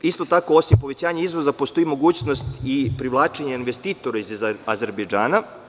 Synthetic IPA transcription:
ist̪o̞t̪ako̞o̞simpo̞ʋet͡ɕaːɲeizʋo̞zapost̪o̞imo̞ɡuːt͡ɕnost̪ipɾiʋlˠaːt͡ʃeɲeinʋe̞st̪iːt̪o̞ɾaizazeɾbed͡ʒaːna

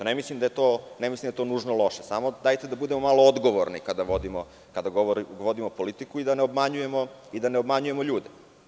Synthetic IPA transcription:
t̪onemislimd̪ajet̪oːnemislimd̪aet̪onuːʒnolˠo̞ʃesamod̪ajt̪ed̪abud̪emo̞malood̪ɡo̞ʋoɾnikad̪aʋod̪imo | kad̪aɡooɾiʋo̞d̪imo̞polit̪ikuid̪aneobmaɲuje̞mo̞ | id̪aneobmaɲuje̞moʎuːd̪e

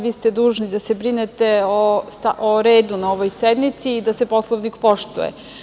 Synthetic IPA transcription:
ʋiːst̪ed̪uːʒnid̪asebɾinet̪eost̪a̰ʔoɾe̞ːd̪unaoʋojsed̪mit̪siːd̪asepo̞slˠoʋnikpo̞ʃt̪ṵjḛ

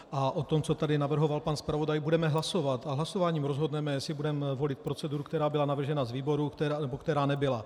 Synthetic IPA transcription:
ʔaʔot̪o̞mt͡so̞t̪adɪnavr̩ɦo̞valpanspɾavo̞dajbudɛmɛɦlaso̞vat̪aɦlaso̞vaːɲiːmɾozɦo̞dnɛmɛsɪbudɛmvo̞lɪt̪̚pɾo̞t͡sɛduɾukt̪ɛɾaːbɪlanavr̩ʒɛnazviːbo̞ɾukt̪ɛanɛbokt̪ɛɾaːnɛbɪla

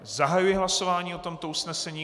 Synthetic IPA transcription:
zaɦajujɪɦlaso̞vaːɲiːo̞t̪o̞mt̪o̞ʔusnɛsɛɲiː

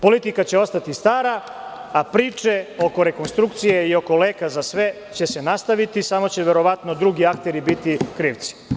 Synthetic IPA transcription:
po̞lit̪ikat͡ɕeo̞st̪at̪ist̪aːɾaapɾiːt͡ʂe̞o̞ko̞ɾe̞ko̞nst̪ɾuk̚t̪sije̞io̞ko̞leːkazasʋe̞ | t͡ɕe̞se̞nast̪aʋit̪isamo̞t͡ɕe̞ʋe̞ɾo̞ʋat̪nod̪ɾuɡiakt̪e̞ɾibit̪ikɾiːʋt̪si̥

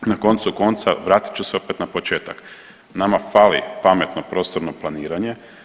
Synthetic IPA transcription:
nako̞nt̪suko̞nt̪saʋɾaːt̪i̥t͡ʃuseo̞pe̞t̪napo̞t͡ʃe̞ːt̪ak | namafaːlḭpame̞t̪no̞pɾo̞ːst̪o̞ɾno̞plˠaniːɾaɲe̞

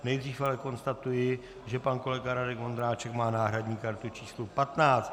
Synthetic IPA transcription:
nɛjdriːfalɛko̞nst̪at̪ujɪ | ʒɛpanko̞lɛɡaɾadɛkmo̞nd̪ɾaːt͡ʃɛkmaːnaːɦɾadɲiːkaɾt̪ut͡ʃiːslupat̪naːt͡st̪

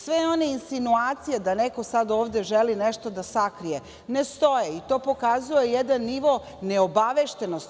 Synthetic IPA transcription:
sʋejo̞neinsinuaːt̪sijed̪aneko̞sad̪o̞ːʋd̪e̞ʒelineʃt̪o̞d̪asakɾije | nest̪o̞jeit̪o̞ːpo̞kazuejɛd̪anːiʋo̞ | ne̞obaʋeʃt̪enost̪

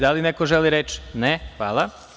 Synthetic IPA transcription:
d̪alinekoʒeliɾet͡ʃnexʋaːlˠa

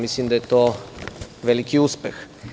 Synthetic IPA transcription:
mislimd̪ajɛt̪oː | ʋelikiuspɛx

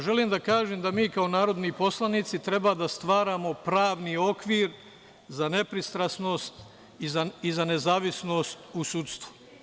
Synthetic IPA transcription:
ʒe̞liːmd̪akaːʒemd̪amiːkao̞naːɾo̞d̪nipo̞slˠanit̪sit̪ɾe̞baːd̪ast̪ʋaːɾaːmo̞pɾaːʋnio̞kʋiːɾ | zane̞pɾist̪ɾasno̞ːst̪ | izaizane̞zaːʋisno̞ːst̪usut̪st̪ʋu̥

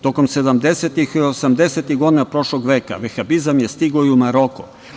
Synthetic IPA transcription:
t̪o̞ko̞mse̞d̪amd̪eset̪ixiosamd̪eset̪iɣɡo̞d̪inapɾo̞ʃlˠoɡʋe̞ːka̰ʋexabizamjest̪iɡoiumaɾo̞ko̰

